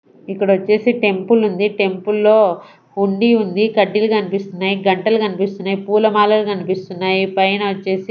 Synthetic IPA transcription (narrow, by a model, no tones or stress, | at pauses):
ikːɐɽɐʋɐt͡ʃːe̞ːsiʈe̞mpulund̪iʈe̞mpulːo̞ː | huɳɖiund̪ikɐɖːilukɐnipist̪unːaːjiɡɐɳʈɐlukɐnipist̪unːaːjipuːlɐmaːlɐlukɐnipist̪unːaːjipɐjnɐʋɐt͡ʃːe̞ːsi